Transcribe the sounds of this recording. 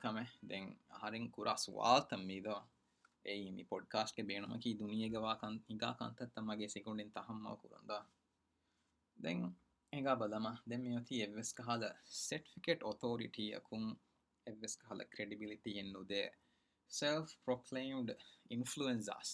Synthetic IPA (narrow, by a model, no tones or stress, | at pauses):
kɐmed̪ɛŋɐ̰ɦɐɾiŋkuɾʔaːsṵʋa̰ːlt̪ɐmːiːd̪oʋ | einipoɖkaːsʈ̚ɡebeːnumʔɐ̰kiːd̪unijeɡeʋaːkɐniɡa̰ːkɐ̰nt̪ɐt̪ːɐmːɐɡeːsiɡuɳɖint̪ɐɦɐmːɐ̰ʋɐ̰kṵɾṵnd̪oʋa | d̪ɛŋ | eŋɡaːbɐlɐmɐd̪ɛmːiʋɐt̪iːeʋːeskɐɦalɐseʈi̥fikeʈot̪ʰoːɾḭʈiːɐ̰kʰuŋ | eʋːeskɐɦalɐ̰kɾeɖibiliʈienːud̪eː | selfpɾokʰleːmɖinfluensa̰ːs